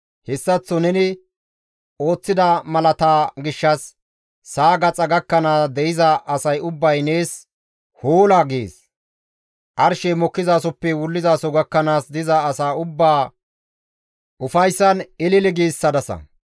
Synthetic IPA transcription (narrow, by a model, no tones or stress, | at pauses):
hɛsːɐt͡sːɔnɛnɪ | o̞ːt͡sːɪd̪ɐmɐlɐt̪aːɡɪʃːɐsː | aːɡɐt͡sʼɐɡɐkːɐnaːsd̪ɛʔɪzɐʔɐsɐjʊbːɐjne̞ːs | hoːlaːɡḛːs | ʔɐɾʃɛmɔkːɪzaːsɔpːɛwʊlːɪzaːsɔɡɐkːɐnaːsd̪ɪzɐːsaːʊbːaː | ʔʊfɐjsːɐnɪlɪlɪɡiːsːɐd̪ɐsɐ̰